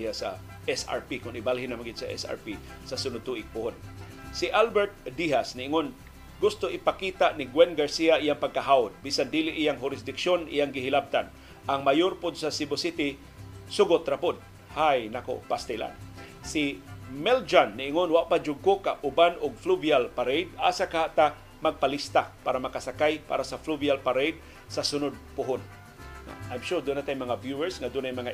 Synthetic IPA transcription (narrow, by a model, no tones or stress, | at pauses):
jasa̰ | ʔɛsa̰ɹpikʊnɪbalɦɪnamaŋɡɪd̥̪saʔɛ̰sa̰ɹpi | sasʊnʊd̪̚t̪ʊʔɪk̚pʊhon | sɪʔalbɛɹt̪̚d̪iɦasnɪʔɪŋon | ɡʊst̪ʊʔɪpakiːt̪aʔnɪɡwɛnɡaɹsiaʔijaŋpaɡ̚kaɦaʊd̪̚bisand̪ilɪʔijaŋɦʊɾɪs̬d̪ɪkʃonḭjaŋɡɪɦɪlab̚t̪an | ʔaŋmajʊɾpʊd̪sasɪbosit̪ɪ | sʊɡot̪ɾapʊd̪̚ | hajnako̰past̪ɪla̰n | sɪmɛld͡ʒanːɪʔɪŋonwaʔpad͡ʒʊɡ̚kokaʔʊbanʊɡ̚fluvialpaɾejd̪̚a̰ːsakahaʔt̪a | maɡ̚palist̪apaːɾamakasakajpa̰ːɾasafluvialpaɾejd̪̚ | sasʊnʊd̪̚pʊɦʊn̰ | ʔajmʃʊɹd̪ʊnat̪ajmɐŋavjuɛɹsŋad̪ʊnajmɐŋa